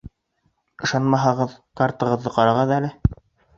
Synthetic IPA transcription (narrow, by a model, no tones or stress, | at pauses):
ɤ̆ʃɑnmɑɦɑʁɤðkɑɾt̪ɤ̆ʁɤ̆ðːɤqɑɾɑʁɤðælɘ